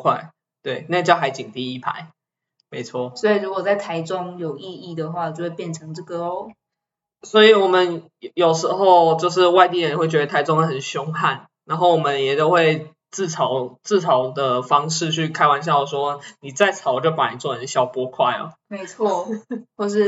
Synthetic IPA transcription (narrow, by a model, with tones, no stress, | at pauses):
kʰwa˥˩ɪ | t̪we˥˩ɪna˥˧˥t͡ɕjɑ˥˩ʊxa˧˥ɪt͡ɕi˨˩ŋt̪i˥˧i˥˩pʰa̰˧˦ɪ | me˧˥ɪt͡sʰwɔ̰˥˩swɔ˧˥i˨˩ɻu˧˥kwɔ˨˩t͡sa˥˩ɪt̪ʰa˧˥ɪʈ͡ʂʊ˦ŋjo˨˩ʊi˥˧i˥˩d̪ə˩xwa˥˩wt͡ɕjo˥˧xwe˥˧pjɛ˥˩nʈ͡ʂʰɤ˧˥ŋʈ͡ʂə˥˩kɤ˧˥o˥˩ | swɔ˧˦˥i˨wɔ˨˩mə˦n | jo˨˩ʊʂɻ̩˧˥xo˥˧ʊt͡ɕjo˥˧ʊʂ̬ɻ̩˥˧wa˥˧ɪt̪i˥˩ɻə˧˦nxwe˥˩ɪt͡ɕɥɛ˧d̪ə˧t̪ʰa˧˥ɪʈ͡ʂʊ˥ŋə˧xə˨˩nɕjo˥ŋha˥˩n | na˧˥nɦo˥˩ʊwɔ˨˩mə˦njɛ˨˩t̪o˥ʊxwe˥˧ɪ | t͡sɹ̩˥˩t͡sʰɑ˨˥ʊt͡sɹ̩˥˩t͡sʰɑ˨˥ʊd̪ə˨fɑ˥ŋʂɻ̩˥˧t͡ɕʰy˥˩kʰa˥ɪwa˧˥nɕ̬jɑ˥˩ʊə˨˩ʂwɔ˥˦ni˨˩t͡sa˥˩ɪt͡sʰɑ˨˩˦ʊ˨˩t͡ɕjo˥˩ʊpa˨˩ni˨˩t͡swɔ˥˩ə˨˦nɕjɑ˥˩ʊpwɔ˥kʰwa˥˩ɪɔ̰˨˩me˧˥ɪt͡sʰwɔ˥˩xwɔ˥˧ʂ̬ɻ̩˥˩